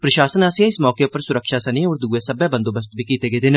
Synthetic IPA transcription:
pɾəʃaːsənəsiãɪsmɔːkeːpəɾsʊɾəkʃaːsənẽːɔːɾd̪uːeːsəbɛːbə̃nd̪oːbəs̬t̪bʱiːkiːt̪eːɡeːd̪ɪn

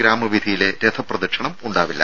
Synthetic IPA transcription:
ɾaːmɐʋid̪ʱijile̞ɾet̪ʰɐprɐd̪ɐrʂɐɳɐmuɳɖaːʋilːɐ̰

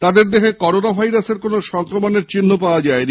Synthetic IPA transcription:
t̪ad̪eɾd̪eɦekɔɾonabʱajɾaseɾkonoʃɔŋkɾomoneɾt͡ɕinːopaoad͡ʑaeni

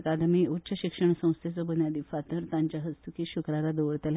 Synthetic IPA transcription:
kad̪miut̪ːɕʰəɕikʂəɳ̃sə̃w̃st̪ʰet͡səbənjad̪ifat̪əɾt̪ãɲt͡ɕaɦəst̪ʰukiɕukɾaɾad̪oʋɽt̪el

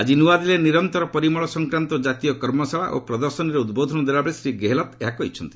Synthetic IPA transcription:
ad͡ʒinuad̪ileniɾɔnt̪ɔɾɔpɔɾimɔɭɔsɔŋkɾant̪ɔd͡ʒat̪ijɔkɔɾmɔsaɭa̰ʔo̰pɾɔd̪ɔɾsɔnɔɾeud̪bod̪ʱɔnɔd̪ebabɾesɾiɡeɦelɔt̪eɦakɔɦit͡ʃʰɔnt̪i̥

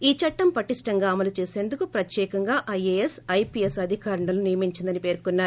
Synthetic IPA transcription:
iːt͡ʃɐʈːɐmpɐʈːisʈɐŋɡaːɐmɐlut͡ʃe̞ːse̞ːnd̪ukupɾɐt̪jɛːkɐŋɡaːʔɐjeːesɐjpiesɐd̪ʱikaːɾɐɳɐlunijɐmiɲt͡ʃind̪ɐnipe̞ːɾkunːaːɾu

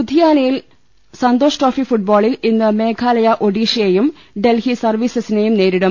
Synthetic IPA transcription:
bud̪ʱijaːnɐjil | sɐnd̪o̞ːʂʈoːfifuʈ̚boːɭilinːɨme̞ːkʰaːlɐjɐʔo̞ɽiːʂɐjejum | ɖe̞lhisɐrʋiːsɐsine̞jumne̞ːɾiɽɐm

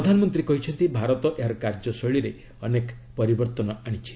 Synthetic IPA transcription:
ɾɔd̪ʱanɔmɔnt̪ɾikɔɦit͡ʃʰɔnt̪ibʱaɾɔt̪ɔʔeɦaɾɔkaɾd͡ʒɔsɔɭiɾe | ɔnek | pɔɾibɔɾt̪ɔnɔaɽ̃it͡ʃʰi̥

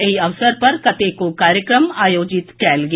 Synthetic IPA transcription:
ɪiɐʋsəɾpɐɾkɐt̪ekokaːɾjəkɾəmaːjoːd͡ʒɪt̪kɛːlɡ

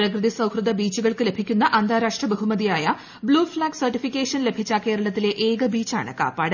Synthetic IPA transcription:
rɐkrɨðisɐwhrɨd̪ɐbiːt͡ɕːuɣɐɭkɨle̞bʱikʲːunːɐʔɐnd̪ʱaːɾaːʂʈrɐbɐɦumɐðijaːjɐ | bɭuːfɭaːɡsɐrʈifikʲːeːʂɐnle̞bʱit͡ɕːake̞ːɾɐɭɐt̪ːile̞ʔeːɡɐbiːt͡ɕːa̰ːɳɨ̰ka̰ːpaːɽɐ

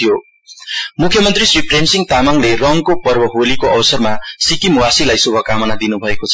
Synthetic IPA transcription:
jo | mukʰjʌmʌnt̪risripʰrensiŋt̪amaŋlerʌŋkopʌrbʌɦolikoʔʌbsʌrmasikimuwasilajsubʱʌkamʌnad̪inubʱʌekot͡sʰʌ

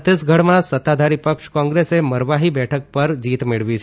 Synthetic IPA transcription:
t̪esɡʱəɽmãsət̪ːad̪ʱaɾipəkʃkɔ̃ŋɡɾeseməɾʋaɦibɛʈʰək̚pəɾd͡ʒit̪meɭʋit͡ʃʰ

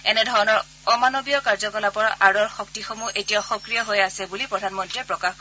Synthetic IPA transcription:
ɛnɛdʱɔɹɔnɔɹ | ɔmanobijɔkaɹzɔkɔlapɔɹaʔaɹɔɹxɔk̚tixomuʔetijaxɔkɹijɔɦojasɛbulipɹɔdʱanmɔntɹiɛpɹɔkax

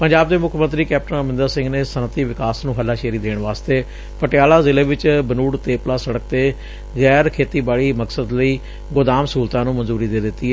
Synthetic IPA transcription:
pəɲd͡ʒaːb̚d̪eːmʊkʰmə̃nt̪ɾiːkɛːp̚ʈənəmɪ̃nd̪əɾsɪ̃ŋɡneːsənət̪ːiːʋɪkaːsnũːɦəlːaːʃeːɾiːd̪eːɳʋaːst̪eː | pəʈɪjaːlaːzɪleːʋɪt͡ʃbənuːɽt̪eːplaːsəɽək̚t̪eː | ɣɛːɾkʰeːt̪iːbaːɭiːməksəd̪ləiː | ɡʊd̪aːmsuːlt̪ãːnũːmənzuːɾiːd̪eːd̪ɪt̪ːiːɦɛ

